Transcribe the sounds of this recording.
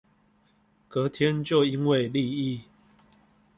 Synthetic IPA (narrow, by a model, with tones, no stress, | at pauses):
kɤ˨˦t̪ʰjɛ˦nt͡ɕjo˥˨ʊi˦nwe˥˨ɪli˥˨i˥˨